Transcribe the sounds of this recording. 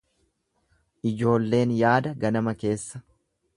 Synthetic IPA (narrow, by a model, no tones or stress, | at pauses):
ʔɪd͡ʒo̞ːlːe̞ːnjaːd̪ɐɡɐnɐmɐke̞ːsːɐ̥